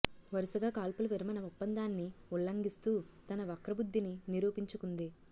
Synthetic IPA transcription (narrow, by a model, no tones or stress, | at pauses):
ʋɐɾisuɡaːkaːlpulɐʋiɾɐmɐnɐupːɐnd̪aːnːiuɭːɐŋɡist̪uːt̪ɐnɐʋɐkɾɐbud̪ːininiɾuːpiɲt͡ʃukund̪i